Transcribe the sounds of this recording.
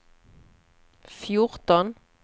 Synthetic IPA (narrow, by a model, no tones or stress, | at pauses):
fjʊʁt̪ən